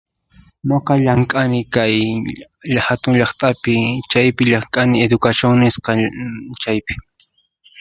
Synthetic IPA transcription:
noqɑʎaŋkʼanɪkaj | ʎhat̪ʊŋʎɑχt̪ʼapɪt͡ʃajpɪʎaŋkʼanɪed̪ʊkaʃjoŋnɪsqɑt͡ʃajpɪ̥

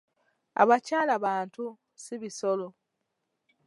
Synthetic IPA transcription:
a̰βacaːlaβaːntu | siβisolo

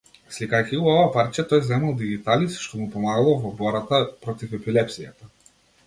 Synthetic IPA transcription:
slikajciuɔvapaɾt͡ʃat̪ɔjzɛmalˠd̪iɡit̪alisʃt̪ɔmupɔmaɡalˠɔvɔbɔɾat̪apɾɔt̪ifɛpilɛpsija̰t̪a

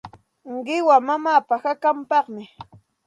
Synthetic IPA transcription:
ɢɪwamamaːpahakampɑχmɪ

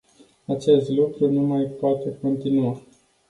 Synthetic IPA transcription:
at͡ʃe̞st̪lukɾunumajpoat̪e̞ko̞nt̪inua

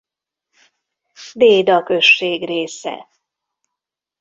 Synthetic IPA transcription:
b̪eːd̪ɒkø̞ʃːeːɡreːsɛ̰

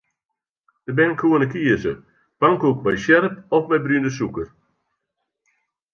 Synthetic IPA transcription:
d̥əbɪnəkʰuənəkiəsə | paŋkuk̚bɛjsɛɾəp̚ɔfmɛjbryndəs̬ukər

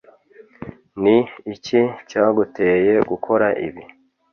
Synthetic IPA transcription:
niːcicaːɡuteːje̞ɡukʰo̞ɾaʔḭβi

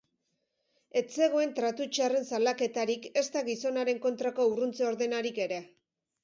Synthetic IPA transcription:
e̞t͡se̞ɣ̞o̞e̞nt̪ɾat̪ut͡ʃare̞nsalake̞t̪aɾike̞st̪aɣiso̞naɾe̞ŋko̞nt̪ɾako̞urunt͡seo̞ɾðe̞naɾike̞ɾe̞

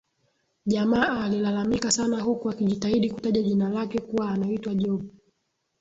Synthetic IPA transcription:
ʄamaːlilalamikasanaɦukuakiʄitaiɗikutaʄaʄinalakɛkuwaːnaitwaʄɔɓu

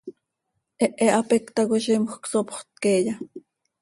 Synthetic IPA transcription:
ʔɛʔɛʔɑpɛkt̪ɑɣoʃimxksopχt̪̚kejɑ

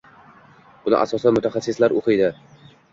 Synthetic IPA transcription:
bʊnɪ̰ʔa̰sɒsamʊt̪ʰaχasːɪslaɾoqɨjd̪ɪ

